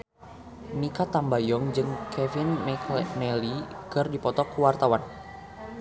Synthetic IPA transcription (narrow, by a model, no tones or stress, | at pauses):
nikat̪ambajɔŋd͡ʒɨŋkʰɛvinmɛkʰmɛlikɨrdipɔt̪ɔkuwart̪awan